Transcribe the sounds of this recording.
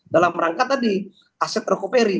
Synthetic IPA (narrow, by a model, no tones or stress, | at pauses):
dalamɾaŋkat̪̚ːadi | asɛt̪ɾokopeɾi